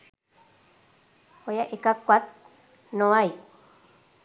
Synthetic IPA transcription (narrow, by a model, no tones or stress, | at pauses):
ojaʔekakʷat̪̚ | nõaj